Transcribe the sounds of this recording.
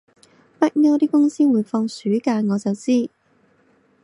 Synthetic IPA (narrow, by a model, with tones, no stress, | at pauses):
pɐ˥t̚ŋɐ˥wt̪iː˥kʊ˥ŋsiː˥wuː˨˧jfɔː˧ŋsyː˨˥kaː˧jŋɔː˨˧t͡sɐ˨wt͡siː˥